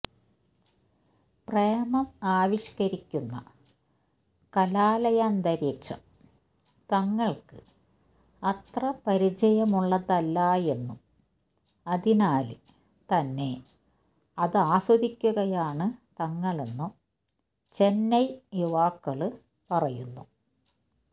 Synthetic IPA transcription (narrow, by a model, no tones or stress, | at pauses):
prejɐmɐmaːʋiɕkɐɾikʲːunːɐ | kɐlaːlɐjaːnd̪ɐɾiːkʂɐ̰m | t̪ɐŋːɐɭkɨ | ɐt̪rɐpɐɾid͡ʑɐjɐmuɭːɐðɐlːaːje̞nːum | ɐðinaːl | t̪ɐnːe̞ | ɐðaːswɐd̪ikʲːuɣɐjaːɳɨt̪ɐŋːɐɭenːu | t͡ɕe̞nːɐjjuʋaːkːɐɭɨ | pɐrɐjunːu